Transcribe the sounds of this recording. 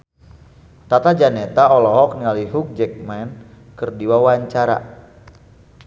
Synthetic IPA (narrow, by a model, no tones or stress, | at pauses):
t̪at̪ad͡ʒanɛt̪aɔlɔɦɔk̚nilaliɦuk̚d͡ʒɛk̚mɛn | kɨrdiwawaɲt͡ʃaɾa̰